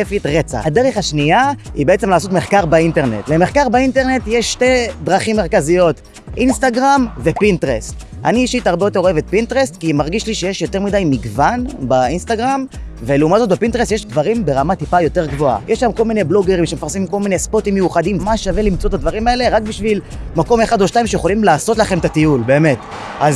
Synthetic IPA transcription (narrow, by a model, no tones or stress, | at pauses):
efit̪ʁet͡sa̰adeʁeχaʃniaibee̞t͡se̞mlaːso̞tme̞χkaʁbainte̞ʁne̞̰tle̞meχkaʁbainteʁne̞tjeʃːte̞dʁaχimːe̞ʁkazijo̞t | ʔinst̪aɡʁamve̞pintʁesta̰niːʃitaʁbejo̞te̞ʁoevet̪̚pintʁest̪kimaʁɡiʃliʃejeʃjo̞te̞ʁmidajmiɡvanbainst̪aɡʁam | ve̞leumatzo̞t̪̚bepintʁest̪jeʃd̪vaʁimbe̞ʁamat̪ipajo̞te̞ʁɡvoa̰jeʃamko̞lmine̞blo̞ɡeʁimʃemefaʁsimko̞lmine̞spo̞timjejuχadimmaʃavelimt͡so̞t̪ad̪vaʁimae̞le̞ʁak̚biʃvil | mako̞me̞χad̪o̞ʃtaimʃejeχo̞limlaːso̞tlaχe̞mtat̪iulbe̞ːme̞t | ʔaz